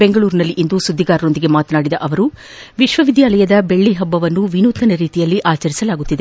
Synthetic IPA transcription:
beŋɡɐɭuːɾnɐlːiʔind̪usud̪ʱːiɡaːɾɐɾo̞nd̪iɡe̞maːt̪ɐnaːɽid̪ɐʔɐʋɐɾu | ʋiʃʋɐʋid̪ʱjaːlɐjɐd̪ɐbe̞ɭːiɦɐbːɐʋɐnːuʋinuːt̪ɐnɐɾiːt̪ijɐlːiʔaːt͡ʃɐɾisɐlaːɡut̪ːid̪e

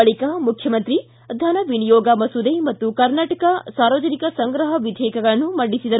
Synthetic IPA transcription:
ɐɭikamukʰjɐmɐnt̪ɾi | d̪ʱɐnɐʋinijoːɡɐmɐsud̪ejmɐt̪ːukɐɾnaːʈɐkɐsaːɾʋɐd͡ʒɐnikɐsɐŋɡɾɐɦɐʋid̪ʱeːkɐɡɐɭɐnːumɐɳɖisid̪ɐɾ

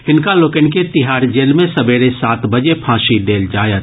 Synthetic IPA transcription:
ɪnkaloːkənket̪ɪɦaːɾd͡ʒeːlmẽsɐbeːɾesaːt̪bəd͡ʒepʰãːʃid̪eːld͡ʒaːjət̪

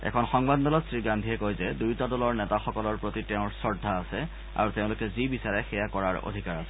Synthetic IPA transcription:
ɛ̰kʰɔnxɔŋbaddɔlɔtsɹiɡandʱiɛkojzɛdujtadɔlɔɹnɛtaxɔkɔlɔɹpɹotiteʊ̃ɹsɔɹdʱːaːsɛ | a̰ɹuteʊ̃lʊkɛzibisaɹɛxɛjakɔɹaɹo̰dʱikaɹasɛ

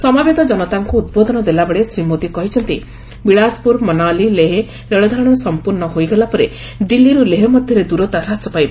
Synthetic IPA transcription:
sɔmabed̪ɔd͡ʒɔnɔt̪aŋkuːd̪̚bod̪ɔnɔd̪elabeɭesɾimot̪ikɔɦit͡ʃʰɔnt̪i | biɭaspuɾmɔnalileɦe | ɾeɭɔd̪ʱaɾɔɽ̃ɔɔsɔmpuɾnɔɦojɡelapɔɾe | ɖilːiɾuleɦɔmɔd̪ʱjɔɾed̪uɾɔt̪aɾasɔpajb

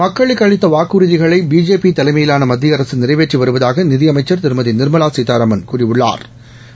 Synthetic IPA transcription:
mɐkːɐɭɪkːɐɻɪt̪ːɐʋaːkuːɾɪðɪɣɐɭɐɪbiːd͡ʒeːpit̪ɐlɐɪmɐjɪlaːnɐmɐd̪ːɪɐɾɐsɯnɪrɐɪʋeːʈriʋɐɾɯʋɐðaːɣɐnɪðɪjɐmɐɪt͡ʃːɐɾt̪ɪɾɯmɐðɪnɪɾɯmɐlaːsit̪aːɾɐmɐnkuːrɪʋɯɭːa̰ːɾ

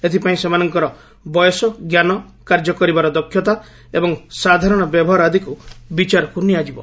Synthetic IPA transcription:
et̪ʰipaĩsemanɔŋkɔɾɔ | bɔjɔsɔɡjanɔkaɾd͡ʒɔkɔɾibaɾɔd̪ɔkʰːjɔt̪a | ebɔŋsad̪ʱaɾɔɽ̃ɔbjɔbʱɔɦaɾad̪ʱikubit͡ʃaɾɔkuniad͡ʒibɔ̰

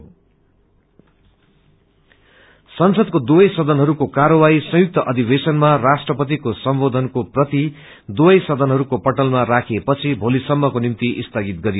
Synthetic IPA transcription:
sʌnsʌd̪̚kod̪ubʌjsʌd̪ʱʌnɦʌɾukokaɾʌwaisʌ̃juk̚t̪ʌʔʌd̪ʱibesʌnmarasʈrʌpʌt̪ikosʌmbod̪ʱʌnkoprʌt̪i | d̪ubʌjsʌd̪ʱʌnɦʌɾukopʌʈʌlmarakʰepʌt͡sʰibʱolisʌmːʌkonimt̪iʔist̪ʰʌɡit̪̚ɡʌɾijo

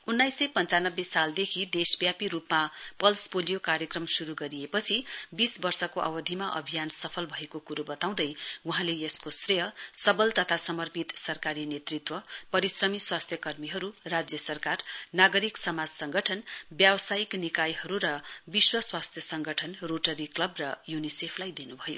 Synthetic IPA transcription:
unːajsːʌjpʌnt͡sanʌbːesald̪ekʰid̪esbjapiɾupmapʌlspolijokaɾjʌkrʌmsuɾuɡʌɾiepʌt͡sʰibisbʌrsʌkoʔʌ̰wʌd̪ʱimaʔʌ̰bʱijansʌpʰʌlbʱʌekokuɾobʌt̪aw̃d̪ʌjuɦãleeskosreɦʌsʌbʌlt̪ʌt̪ʰasʌmʌrpit̪sʌrkaɾinet̪rit̪wʌpʌɾisrʌmiswast̪ʰjʌkʌrmiɦʌɾurad͡zjʌsʌrkarnaɡʌɾiksʌmad͡zsʌŋɡʌʈʰʌnbjawsajiknikajɦʌɾuɾʌbiswʌswast̪ʰjʌsʌŋɡʱʌʈʰʌnroʈʌɾiklʌbrʌjunisepʰlajd̪inubʱʌjo̰

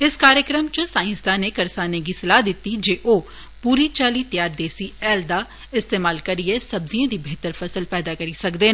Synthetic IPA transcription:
ɪskaːɾjəkɾəmt͡ʃəsaːɪ̃nsd̪aːnekɐɾsaːneɡisɪlaːd̪ɪt̪ːid͡ʒeːʔoː | puːɾit͡ʃaːliːt̪jaːɾd̪eːsiɛːld̪aː | ɪst̪eːmaːlkɐɾiesɐbziãd̪ibʱeːt̪əɾfʰɐsəlpɛːd̪aːkɐɾisɐkd̪eːn

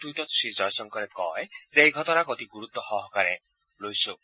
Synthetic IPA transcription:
ʈuʈɔsʃid͡ʒɔjsɔŋkɔɾekɔesejɡʱɔt̪ɔnakɔt̪iɡuɾut̪ːɔhɔɦɔkaɾe | lojso

